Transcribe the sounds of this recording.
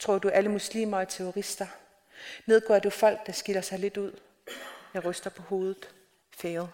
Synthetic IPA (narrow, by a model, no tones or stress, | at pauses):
t͡sʰʁo̝ɐ̰d̥uʔæləmuslḭːmɐɒt͡sʰeoʁisd̥ɐ | ne̝ð̞̰ˠɡ̥ɒ̰ːd̥ufɒ̽l̰ɡ̥̚d̥ɑ̈sɡ̥ilɐsɑ̈ɪle̝d̥uð̞̰ˠ | jɑ̈ɪʁœsd̥ɐpʰɒ̽ho̝ːð̞ˠð̩ˠ | feːð̩ˠ